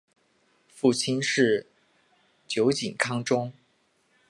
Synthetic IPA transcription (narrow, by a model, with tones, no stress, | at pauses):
fu˥˩t͡ɕʰi˥nʂɻ̩˥˩ | t͡ɕjo˧˥ʊt͡ɕi˨˩nkʰɑ˥ŋʈ͡ʂʊ˥ŋ